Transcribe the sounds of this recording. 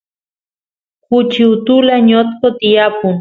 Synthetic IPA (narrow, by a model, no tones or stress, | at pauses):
kut͡ʃiut̪ulaɲot̪kot̪iapun